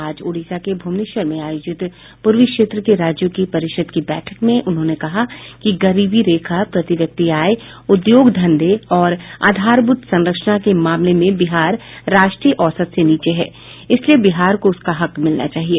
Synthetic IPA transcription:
aːd͡ʒoːɽiːsakebʱuːmnɪʃəɾmẽaːjoːd͡ʒɪt̪ | pʊɾʋɪkʃeːt̪ɾəkeɾaːd͡ʒjõkipɐɾɪʃəd̪kibɛ̰ːʈʰəkmẽʔʊnɦõːnekɐɦakiɡɐɾiːbiɾeːkʰapɾɐt̪ɪʋjɐk̚t̪iaːj | ʊd̪joːɡd̪ʱɐ̃nd̪eɔːɾa̰ːd̪ʱaːɾbʊt̪sɐ̃nɾəkʃnakemaːmlemẽbɪɦaːɾːaːʃʈɾiːəʔɔːsət̪seniːt͡ʃeɦɛː | ɪsliebɪɦaːɾkoʊskaɦɐkmɪlna̰t͡ʃaːɦieː

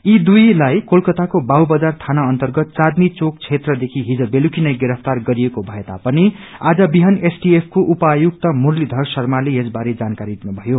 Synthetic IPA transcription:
id̪ujlajkolkʌt̪akobawbʌd͡zart̪ʰanaʌnt̪ʌrɡʌt̪̚t͡sad̪mit͡sok̚t͡sʰet̪rʌd̪ekʰiɦid͡zʌbelukinʌjɡeɾʌpʰt̪arɡʌɾijekobʱʌet̪a̰pʌniad͡zʌbiɦʌnesʈiepʰkoʔupajuk̚t̪ʌmurlid̪ʱʌrsʌrmaleesbaɾed͡zankaɾid̪inubʱʌjo

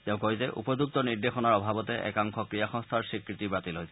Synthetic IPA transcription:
tɛʊ̃koɹizɛʔṵpɔzuk̚tɔniɹdexɔnaɹɔbʱabɔtɛʔɛ̰kaŋxɔkɹijaxɔ̃ŋst̪ʰaɹsɹikɹitibatilojsɛ

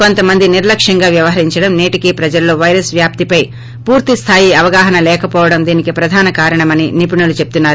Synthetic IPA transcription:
ko̞nt̪ɐmɐnd̪iniɾlɐkʂɐŋɡaːʋjɐʋɐɦɐɾiɲt͡ʃɐɽɐmneːʈikipɾɐd͡ʒɐlːo̞ːʋɐjɾɐsʋjaːp̚t̪ipɐj | puːɾt̪ist̪ʰaːjiɐʋɐɡaːɦɐnɐlɛːkɐpɔːʋɐɽɐmd̪iːnikipɾɐd̪ʱaːnɐkaːɾɐɳɐmɐninip̬iɳɐlut͡ʃe̞p̚t̪unːaːɾu

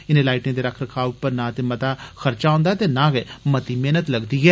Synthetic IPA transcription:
ɪnẽːlaːɪʈẽd̪eːɾəkʰɾəkʰaːʊpːəɾnaːt̪emət̪aːxəɾt͡ʃaõːnd̪aɛt̪eːnaːɡemət̪iːmeːnət̪ləɡd̪iːɦɛː

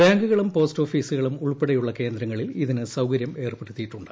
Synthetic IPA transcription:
baːŋɡuɣɐɭumpo̞ːsto̞ːfiːsuɣɐɭumuɭpeɽejuɭːɐke̞ːnd̪ɾɐŋːɐɭiliðinɨsɐwkɐɾjɐme̞ːrpeɽut̪ːijiʈːuɳɖɨ

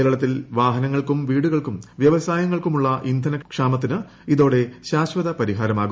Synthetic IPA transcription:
ɾɐɭɐt̪ːilʋaːɦɐnɐŋːɐɭkumʋiːɽuɣɐɭkumʋjɐʋɐsaːjɐŋːɐɭkumuɭːɐʔind̪ʱɐnɐkʂaːmɐt̪ːinɨ | iðo̞ːɽe̞ɕaːɕʋɐðɐpɐɾiɦaːɾɐmaːɣu

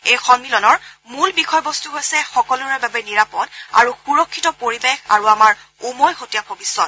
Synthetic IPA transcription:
ejxɔnmilɔnɔɹmulbixʰɔjbɔstuɦojsɛxɔkɔluɹɛbabɛniɹapɔta̰ɹuxuɹɔkʰːitɔpoɹibexa̰ɹuamaɹ | umojxotijabʱobisːɔt̚

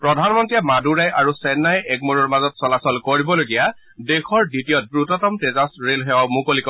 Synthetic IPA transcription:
pɹɔdʱanmɔntijamaduɹajʔaɹusɛnːajʔɛkmoɹɔɹmazɔtsɔlasɔlkoɹibɔloɡija | dexʰɔɹditijɔt̚bɹutɔtɔmtezasɹelɦɛɔmukolikɔ

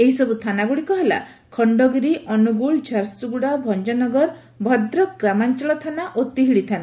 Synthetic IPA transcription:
eɦisɔbut̪ʰanaɡuɽikɔɦela̰ | kʰɔɳɖɔɡiɾiʔɔnuɡuɭd͡ʒaɾsuɡuɽabʱɔnd͡ʒɔnɔɡɔɾ | bʱɔd̪ɾɔɡɾamant͡ʃɔlɔt̪ʰanaʔot̪iɦiɽit̪ʰana

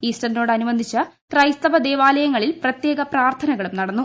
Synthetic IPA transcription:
iːsʈɐnno̞ːɽɨɐnuʋɐnd̪ʱit͡ɕːɐkrɐjst̪ɐbɐd̪e̞ːʋaːlɐjɐŋːɐɭilprɐt̪jeːɡɐpraːrt̪ʰɐnɐɣɐɭumnɐɽɐnːu

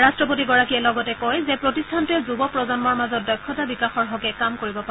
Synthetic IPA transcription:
ɹastɹɔpotiɡɔɹakiɛlɔɡɔtɛkɔjzɛpɹotistʰantɛzubɔpɹɔzɔnmɔɹmazɔt̚dɔjkʰːɔtabikaxɔɹɦɔɡɛkamkoɹibɔpa

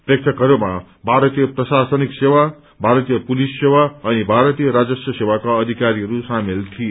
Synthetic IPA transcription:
prek̚t̪ʰʌkʌɾuma | bʱaɾʌt̪ijʌprʌsasʌniksewa | bʱaɾʌt̪ijʌpulisːewaʌnibʱaɾʌt̪ijʌɾad͡zʌsjʌsewakaʌd̪ʱikaɾiɦʌɾusamilt̪ʰie

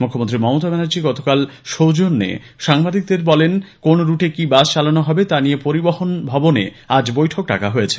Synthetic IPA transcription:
mukʰːomõnt̪ɾimɔmot̪abɛnod͡ʑiɡɔt̪okalʃowd͡ʑonːḛ | ʃaŋbad̪ik̚d̪eɾbɔlenkonɾuʈekibad͡ʑt͡ɕalanoɦɔbet̪aniepoɾiboɦonbʱɔbonḛ | ad͡ʑbojʈʰok̚ʈa̰kaɦojet͡ɕʰe̥

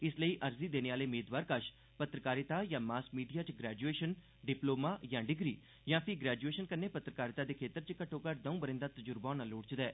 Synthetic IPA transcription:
ɪsləiːʔəɾziːd̪eːneːaːleːʊmeːd̪ʋaːɾkəʃ | pət̪ɾəkaːɾɪt̪aːjãːmaːskmiːɖijaːt͡ʃɡɾɛːd͡ʒueːʃən | ɖɪploːmaːjãːɖɪɡɾiː | jãːpʰɪɡɾɛːd͡ʒueːʃənkənːeːpət̪ɾəkaːɾɪt̪aːd̪eːkʰeːt̪əɾt͡ʃkəʈʰːõːkəʈd̪əũːbəɾɪ̃nd̪aːt̪əd͡ʒʊɾbãːnaːloːɽt͡ʃd̪ɛː

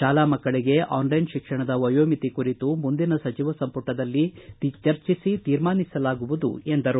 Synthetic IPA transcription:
ʃaːlaːmɐkːɐɭiɡe̞ʔaːnlɐjnʃikʂɐɳɐd̪ɐʋɐjoːmit̪ikuɾit̪umund̪inɐsɐt͡ʃiʋɐsɐmpuʈːɐd̪ɐlːit͡ʃɐɾt͡ʃisit̪iːɾmaːnisɐlaːɡuʋud̪ṵe̞nd̪ɐɾu

